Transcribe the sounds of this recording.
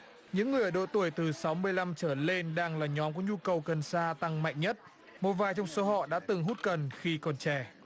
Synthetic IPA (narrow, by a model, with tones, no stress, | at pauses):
ɲɨ̰˧˥ŋːɨ˨˩əjʔəː˩ɗo̰˧˨t̪u˧˩əjt̪ɨ˨˩sa˨˦wmɨ˧əjla˧mt͡ɕəː˧˩le˧nɗaː˧ŋlaː˨˩ɲɔ˨˦mku˧˩əɲu˧kə˨˩wkə˨˩nsaː˧t̪a˧ŋma̰˧˨jŋ̟ɲə˦˥t̚ | mo˨˩t̚vaː˨˩jt͡ɕɔ˧wŋ͡mso˨˦ɦɔ̰˧˨ɗa̰ː˧˥t̪ɨ˨˩ŋɦu˦˥t̚kə˨˩nxi˧kɔ˨˩nt͡ɕɛ˧˩